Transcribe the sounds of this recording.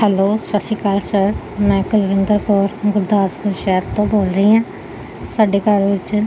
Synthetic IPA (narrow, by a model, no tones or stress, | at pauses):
ɦɛloːsəsiːkaːlsəɾ | mɛ̃ːkəlʋɪnd̪əɾkoːɾɡʊɾd̪aːsbəʃɛːt̪t̪õːboːlɾəiːɦãː | saːɖeːkəɾʋɪt͡ʃ